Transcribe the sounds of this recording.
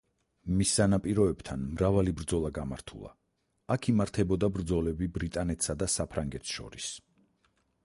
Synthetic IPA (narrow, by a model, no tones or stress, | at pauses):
misːanapʼiɾɔɛb̥t̪ʰanmɾavalibɾd̪zɔlˠaɡamaɾt̪ʰṵlˠa̰ | akʰimaɾt̪ʰɛbɔd̪abɾd̪zɔlɛbibɾit̪ʼanɛt̪ʰsad̪asapʰɾaŋɡɛt̪ʰʃɔ̰ɾis